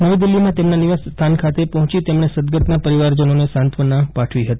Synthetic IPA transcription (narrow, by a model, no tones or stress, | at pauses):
nəʋid̪ɪlːimãt̪emnaniʋast̪ʰankʰat̪epɔɦɔ̃t͡ʃit̪emɳ̃esəd̪ɡət̪napəɾiʋaɾd͡ʒənonesãnt̪ʰʋənapaʈʰʋiɦət̪i̥